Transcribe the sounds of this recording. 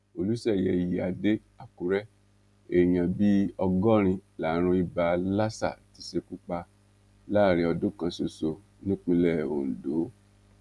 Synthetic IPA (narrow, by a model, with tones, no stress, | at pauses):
o˧lu˨˦sɛ˦˨jɛ˨ji˨a˧de˦ | a˨ku˨ɾɛ˦ | e˦˨j̃ã˨bi˦ɔ˧ɡɔ˦ɾ̃ĩ˧la˨˦ɾ̃ũ˧i˧ba˧la˦sa̰˦˨ti˨˦ʃe˧ku˦k͡pa˧ | la˦˨ɾ̃ĩ˧ɔ˧dõ˦kã˧so˨so˨ | nĩ˦k͡pĩ˧lɛ˦˨o̰˨n̩˨do˨˦